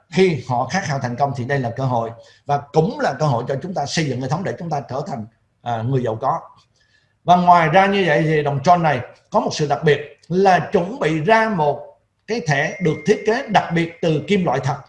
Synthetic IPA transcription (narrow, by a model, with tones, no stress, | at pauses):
xi˧hɔ̰˧˨xaː˦˥haː˧˩wt̪ʰjŋ̟kə˧wŋ͡mt̪ʰi˨˩ɗə˧jlaː˨˩kəː˧ɦo̰˧˨j | vaː˨˩kʊ̰˧˥ŋ͡mlaː˨˩kəː˧ɦo̰˧˨jt͡ɕɔ˧t͡ɕʊ˨˦ŋ͡mt̪aː˧sə˧jzɨ̰˧˨ŋəː˨˩jt̪ʰŋ͡mɗe˧˩t͡ɕʊ˨˦ŋ͡mt̪aː˧t͡ɕəː˧˩t̪ʰa˨˩jŋ̟ | ʔŋɨ˨˩əjzə̰˨˩wkɔ˨˦ | vaː˨˩ŋwaː˨˩jzaː˧ɲɨ˧və̰˧˨jt̪ʰi˨˩ɗə˨˩wŋ͡mt͡ɕɔ˧nːa˨˩jkɔ˨˦mo˨˩t̚sɨ̰˧˨ɗa˨˩k̚ɓi˨˩ət̚ | laː˨˩t͡ɕʊ˨˧˥ŋ͡mɓḭ˧˨zaː˧mo˨˩t̚ | kaː˨˦jt̪ʰɛ̰˧˥ɗɨ˨˩ək̚t̪ʰi˦˥t̚ke˨˦ɗa˨˩k̚ɓi˨˩ət̚t̪ɨ˨˩ki˧mlwa̰ː˧˨jt̪ʰə˨˩t̚